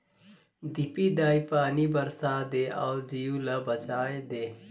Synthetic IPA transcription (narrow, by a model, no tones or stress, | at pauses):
d̪ipiːd̪aːipaːniːbəɾsaːd̪eːʔɔːd͡ʒiːjũlɐbət͡ʃaːed̪eː